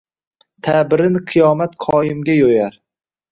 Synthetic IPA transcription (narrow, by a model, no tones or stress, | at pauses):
t̪ʰabɪɾɪnqʰɨjɒmat̪qʰɒjɪmɡʲajojaɾ